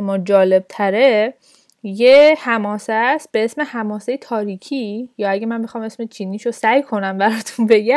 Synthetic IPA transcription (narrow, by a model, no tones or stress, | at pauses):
mɒːd͡ʒɒːle̞b̥̚t̪ʰæɾe | jehæmɒːsæst̪̚b̥eesme̞hæmɒːsejet̪ʰɒːɾiːcʰiːjɒːæɡemænbexɒːme̞sme̞t͡ʃʰiːniːʃosæjkʰo̞næmbæɾɒːt̪ʰunbe̞ɡæ